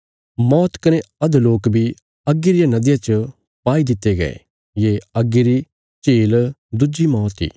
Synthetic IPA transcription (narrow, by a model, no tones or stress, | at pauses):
mɔːt̪kɐneɐd̪loːkbʱi | ɐɡːiɾɪjanɐd̪ɪjãt͡ʃə | paːid̪ɪt̪ːeɡɐ̰ḛ | jeːɐɡiɾi | t͡ʃeːld̪ʊd͡ʒimɔːt̪ḭː